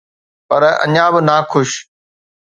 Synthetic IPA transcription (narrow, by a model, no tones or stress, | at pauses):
pɐɾɐ̰̃ɲãːbɪnaːkʰʊʃ